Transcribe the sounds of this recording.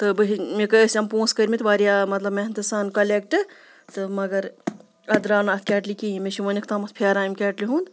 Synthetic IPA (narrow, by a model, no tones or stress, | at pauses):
t̪ɨbɨɦimekəəsʲɐmpõːnskəɾʲmit̪ʋaːɾijaːmɐt̪lɐbment̪ɨsaːnkɐlek̚ʈɨ | t̪ɨmɐɡɐɾ | ɐd̪ɾaːnaːt̪̚ʰkʲɛːʈlikʲiimʲeʃiʋɐnikʰt̪amɐt̪̚pʰeːɾaːjmkʲɛːʈliɦũːnd̪